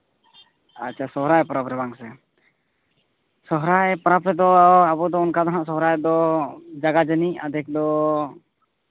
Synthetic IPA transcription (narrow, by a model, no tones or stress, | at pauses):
at͡ʃːt͡ʃʰasɔɦɾaɛpɔɾapɾɛbaŋsɛ | sɔɦɾaɛpɔɾapɾɛd̪ɔabɔd̪ɔːnkad̪aɦaʔsɔɦɾaɛd̪ɔd͡ʒaɡad͡ʒənia̰d̪ʱɛk̚d̪ɔ